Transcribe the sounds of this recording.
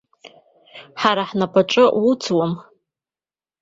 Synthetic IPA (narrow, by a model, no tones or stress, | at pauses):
ħaɾaħnapʼaʈ͡ʂʼɨwut͡sʰwam